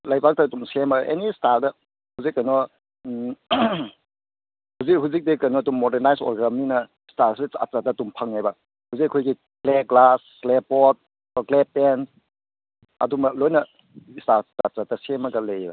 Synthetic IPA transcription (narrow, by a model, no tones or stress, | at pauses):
lajbak̚tɐtumsemaɡɐʔḛnistaɾdɐ | huzik̚ːajnɔ | huzik̚ɦuzik̚dekajnɔtumːɔdeɾnajsɔ̰ɾɡɐminɐ | staɾsia̰t͡ʃatatumpʰaŋajbɐ | huzikakʰojɡi | kleɡlasːlepɔt̚ | klepen | ɐ̰dumɐlojnɐ | istaɾtat͡ʃatɐsemɐɡɐlejbɐ